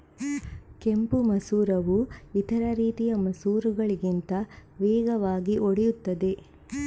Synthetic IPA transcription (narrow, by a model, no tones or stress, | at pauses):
ke̞mpumɐsuːɾɐʋuit̪ɐɾɐɾiːt̪ijɐmɐsuːɾuɡɐɭiɡint̪ɐʋeːɡɐʋaːɡiʔoɽɛjut̪ːɐd̪e̞